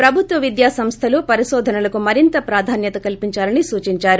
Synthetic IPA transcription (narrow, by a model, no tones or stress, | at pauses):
pɾɐbʱut̪ʋɐʋid̪jaːsɐmst̪ʰɐlupɐɾiʃɔːd̪ʱɐnɐlɐkumɐɾint̪ɐpɾaːd̪ʱaːnjɐt̪ɐkɐlpiɲt͡ʃaːlɐnisuːt͡ʃiɲt͡ʃaːɾu